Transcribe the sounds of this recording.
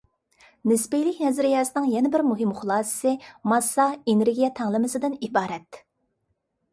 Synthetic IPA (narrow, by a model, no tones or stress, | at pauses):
nɪspejlɪkʲnɛzɾɪjɑːsɨnɨŋjɛnɪbɪɾmuɦɪmχʊlˠɑːsɨ̥sɨmɑsːɑeneɾɡʲijɛt̪ʰɑŋlˠɨmɨsɨd̪ɪnibɑːɾɛt̪